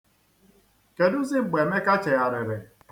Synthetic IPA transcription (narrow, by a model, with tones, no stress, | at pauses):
ke˨dʊ˦zɪ˦˨ɡ͡be˨me˦ka˦t͡ʃe˨a˨ɾɪ˨ɾɪ˨